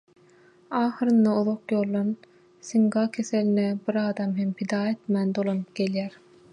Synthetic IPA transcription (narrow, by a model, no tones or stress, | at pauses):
ɑːxɯɾɯnd̪ɑuðoqjo̞ːlˠːɑn | siŋɡɑkʲʰe̞selinebiɾɑːd̪ɑmɦempʰid̪ɑːe̞t̪mænd̪o̞lˠonɯp̚ɡ̥e̞ljæɾ